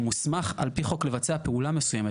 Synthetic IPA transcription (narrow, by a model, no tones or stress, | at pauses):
musmaχa̰lpiχo̞kle̞vat͡seape̞ulame̞sujeme